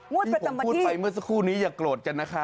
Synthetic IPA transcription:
pu˥˩pa˧jmɯ˥˩ɐs̬a˧˥kʰuː˥˩niː˦˥jaː˨˩kloː˨˩t̪̚ka˧nːa˦˥kʰa˦˥

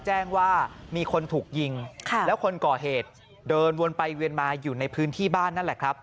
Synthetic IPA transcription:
t͡ɕɛː˥˩ŋwaː˥˩miː˧kʰo˧nt̪ʰuː˨˩k̚ji˧ŋkʰa˧lɛ˦˥wkʰo˧nkɔː˨˩ɦeː˨˩t̪̚ | dɤː˧nwo˧npa˧jwi˧ənmaː˧juː˨˩na˧jpʰɯː˦˥nt̪ʰiː˥˩baː˥˩nːa˥˩nlɛ˨˩kʰɾa˦˥p̚

